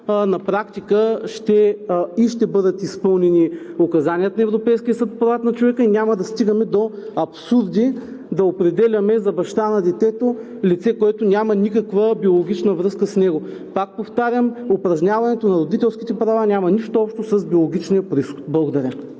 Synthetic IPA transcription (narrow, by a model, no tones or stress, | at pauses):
nɐpɾakt̪ikəʃt̪ɛiʃt̪ɛbɤd̪ət̪ispɤlˠnɛniokɐzaniət̪nɐɛvɾopɛjskʲiəsət̪fpɾɐvat̪nɐt͡ʃovɛkinʲamɐd̪ɐst̪iɡəmɛd̪oɐpsuɾd̪i | d̪ɐopɾɛd̪ɛlʲɐmɛzɐbɐʃt̪anɐd̪ɛt̪ɛt̪o | lit̪sɛkoɛt̪onʲjamɐnikɐkvəbiolˠoɡʲit͡ʃnəvɾɤskəsnɛɡo | pak̚poft̪aɾʲəmopɾɐʒnʲavɐnɛt̪onɐɾod̪it̪ɛlˠskʲit̪ɛpɾɐvanʲamɐniʃt̪oɔpʃt̪osɐzbiolˠoɡʲit͡ʃnijɐpɾʲisxo̥t̪̚blˠəɡod̪ɐɾʲa